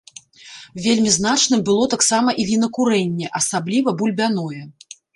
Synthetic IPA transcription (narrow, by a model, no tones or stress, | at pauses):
vʲelʲmʲizn̪at͡ʂnɨmbɨlˠɔt̪aksamɐʔivʲinɐkuɾɛnʲːɛʔɐsablʲivɐbulʲbʲanɔjɛ